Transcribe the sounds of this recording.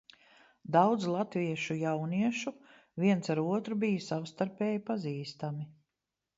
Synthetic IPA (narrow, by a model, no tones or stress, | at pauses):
d̪awd̪zlˠat̪viɛʃujawniɛʃu | viɛntsaɾuɔt̪ɾubijsawst̪aɾpɛːjpaziːst̪ami